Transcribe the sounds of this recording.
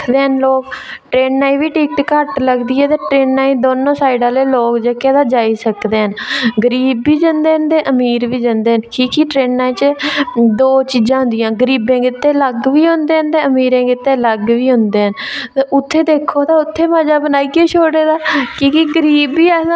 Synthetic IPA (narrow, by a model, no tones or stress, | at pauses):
d̪eːɦənloːkʈɾeːnːaːĩːʋiːʈiːk̚ʈkəɾʈləɡd̪iːɛːt̪eːʈɾeːnːaːĩːd̪oːnõːsaːɪɖaːleːloːkd͡ʒəkeːd̪aːd͡ʒaːiːsəkd̪eːɦənɡəɾiːbːiːd͡ʒənd̪eːɦnd̪eːʔəmiːɾʋiːd͡ʒənd̪eːɦənkiːkiːʈɾeːnːaːĩːt͡ʃəd̪oːt͡ʃiːd͡ʒãːɦʊ̃nd̪ɪjãːɡəɾiːbẽːɡɪt̪ːeːləɡʋiːɦʊ̃nd̪eːɦənd̪eːəmiːɾẽːɡɪt̪ːeːləɡʋiːɦʊ̃nd̪eːɦənt̪eʊt̪ʰːeːd̪eːkʰːoːd̪aːʊt̪ʰːeːməd͡ʒaːbənaːiːɡeːt͡ʃʰoːɽeːd̪aːkiːkiɡəɾiːbiːɛ̃ː